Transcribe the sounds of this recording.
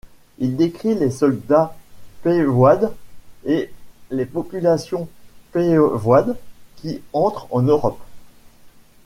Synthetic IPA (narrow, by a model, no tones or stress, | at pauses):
ild̪ekχilesɔld̪apevwad̪elepɔpylasjɔ̃pevwad̪kʲiɑ̃t̪χɑ̃nøʁɔp